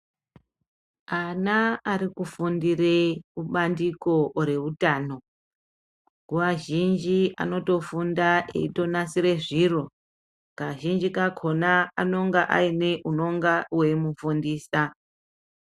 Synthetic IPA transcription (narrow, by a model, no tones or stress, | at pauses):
anaaɾikufundireuɓandiko̞ɾe̞utaːno̞ | ɡuʋaʒind͡ʒiʔa̰no̞to̞fundaḛito̞nasiɾe̞ʐiro̞ | kaʒind͡ʒikakʰo̞naano̞ŋɡaʔa̰ine̞ʔuno̞ŋɡawe̞mufundiːsa